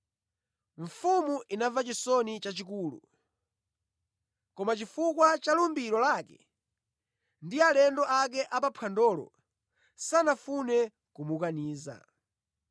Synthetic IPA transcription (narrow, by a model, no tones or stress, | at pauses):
ɱ̩fumuʔinavat͡ʃisɔnit͡ʃat͡ʃikuːlṵ | kɔmat͡ʃifukwat͡ʃalumbiɾɔlakɛ̰ | ndialɛndɔʔak̬ɛʔapapʰandɔːlɔ̰ | sanafunɛ | kumukaniːza̰